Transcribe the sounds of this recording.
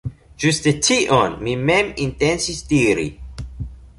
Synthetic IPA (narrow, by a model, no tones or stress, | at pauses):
d͡ʒustetʰiʔɔ̃nmimɛ̃mĩntɛ̃nsisdiɾḭ